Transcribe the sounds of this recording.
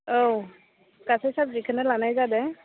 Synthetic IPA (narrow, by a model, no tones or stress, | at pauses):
ow | kasɛsabzikʰanɛlanajzadɛ